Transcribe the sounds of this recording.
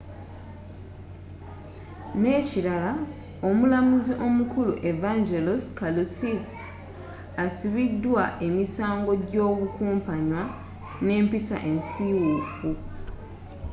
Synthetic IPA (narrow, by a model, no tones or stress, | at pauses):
ne̞ːciɾala | o̞mulamuziʔo̞mukuluʔe̞vaɲɟeloskalusis | asiβidwae̞misaːŋɡo̞ɟo̞ːɣukuːmpaɲwa | ne̞ːmpisa̰ʔe̞nsiwufu